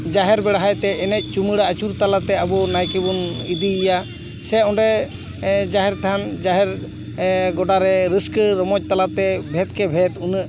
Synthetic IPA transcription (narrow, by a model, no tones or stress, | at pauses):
d͡ʒaɦɛɾbɛɽɦajt̪ɛʔɛnɛc̚ˀt͡ʃuməɽaat͡ʃuɾt̪alat̪ɛabɔnajkɛbɔnid̪ija | sɛɔɳɖɛ | d͡ʒaɦɛɾt̪ʰand͡ʒaɦɛɾ | ɡɔɖaɾɛɾəskɾəmɔc̚t̪alat̪ɛbʱɛt̪̚kɛbʱɛt̪unəʔ